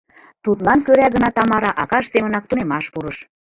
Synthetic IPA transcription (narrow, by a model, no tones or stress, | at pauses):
t̪ut̪lɑnkøɾæɡə̆nɑt̪ɑmɑɾɑʔɑkɑʃsemə̆nɑk̚t̪unemɑʃpuɾɤʃ